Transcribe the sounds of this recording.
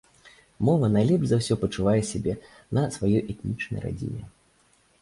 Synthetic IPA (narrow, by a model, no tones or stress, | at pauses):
mɔvɐnajlʲɛpʐʲzawsʲɔpɐt͡ʂuvajɛsʲabʲɛ | nɐsvajɔjʔɛt̪nʲit͡ʂnɐ̰jra̰d͡zʲḭnʲɛ̰